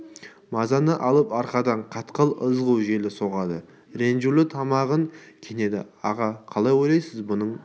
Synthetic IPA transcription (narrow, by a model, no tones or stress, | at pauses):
mɑzɑnəʔɑlˠəpɑɾqɑd̪ɑɴqʰɑt̪qəlˠəzʁəwʒe̞lɪso̞ʁɑd̪ə | ɾe̞nʒulɪt̪ʰɑmɑʁəŋkʲʰene̞d̪ɪ̰ɑʁɑqʰɑlˠɑjwojlˠɑjsɪzbʊnəɴ